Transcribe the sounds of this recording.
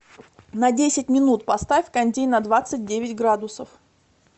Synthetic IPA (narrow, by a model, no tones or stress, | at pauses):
nɐdʲesʲɪt̚ʲmʲɪnut̪pɐst̪afʲkɐnʲdʲejnɐd̪vat̪sɨt̚ʲdʲevʲɪtʲɡɾad̪ʊsəf